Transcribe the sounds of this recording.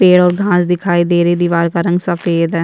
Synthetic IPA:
peːɽɔːɾɡʱãːsd̪ɪkʰaːid̪eːɾeːd̪iːʋaːɾkaɾə̃ŋɡsəpeːd̪ɛ

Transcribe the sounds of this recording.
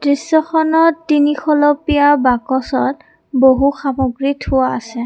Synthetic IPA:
d̥ɹisːɔxɔnɔtːinixʰɔlɔpijabakɔsɔt̚ | boɦuxamɔɡɹithʊwaːsɛ

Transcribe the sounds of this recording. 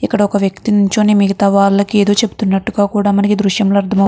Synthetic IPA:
ikːɐɽɐɔkɐʋjɐkt̪inuɲt͡ʃo̞ːneːmiɡɐt̪ɐʋaːɭːɐkieːd̪o̞ːt͡ʃe̞bu̥t̪unːɐʈːuɡaːkuːɽaːmɐnɐkid̪ɾuʂjɐmloːɐɾt̪ʰɐmɐ

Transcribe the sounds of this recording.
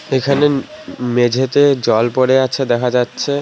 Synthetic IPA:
ekʰanemed͡ʑʱet̪ed͡ʑɔlpoɽeat͡ɕʰed̪ɛkʰad͡ʑatːɕʰe

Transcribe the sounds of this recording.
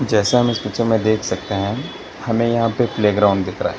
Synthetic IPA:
d͡ʒɛːseɦɐmɪspiːt͡ʃəɾmẽd̪eːkʰsɐk̚t̪eɦɛ̃ | hɐmẽjɐɦãpepleːɡɾaːʊ̃ɳnɖd̪ɪkʰɾa̰ɦɛ

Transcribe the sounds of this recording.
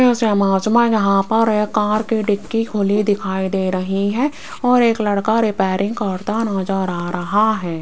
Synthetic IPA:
ẽʊseɐmaːd͡ʒmãjɐɦãpɐɾekãːɾkiɖɪkːikʰʊlid̪ɪkʰaːid̪eːɾɐɦiɦɛ̃ | ɔːɾeːklɐɽkaɾɪpɛːɾɪ̃ŋɡ̚kɐɾt̪anaːd͡ʒaɾaːɾɐɦaɦɛː

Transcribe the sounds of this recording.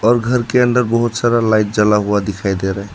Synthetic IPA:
ɔːɾɡʱəɾkeəɳɖəɾbɔɦut̪saɾalajʈ̚d͡ʒəlaɦuad̪ikʰajd̪eɾɛɦ

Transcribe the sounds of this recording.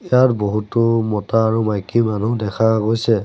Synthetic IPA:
ijaɹboɦutʊmɔtaːɹumajkimanudɛkʰaɡojsɛ

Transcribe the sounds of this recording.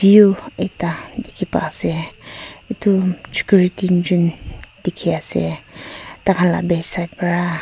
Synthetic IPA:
iuejtadikʰipa̰sɛ | itusi̥kuɹitind͡ʒundikʰiasɛ̰ | takʰanla̰bɛsajt̚paɹa

